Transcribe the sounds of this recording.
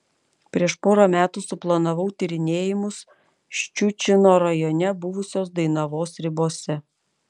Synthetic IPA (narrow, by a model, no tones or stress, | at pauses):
pʲɾʲiɛʃpoːɾɐmʲæːt̪usʊplˠɐnɐʋɒʊt̪ʲɪɾʲɪnʲeːjɪmʊs | ʃʲt͡ʃʲut͡ʃʲɪnoːɾɐjɔnʲɛbʊʋʊsʲoːsd̪ɐɪnɐʋoːsɾʲɪboːsʲɛ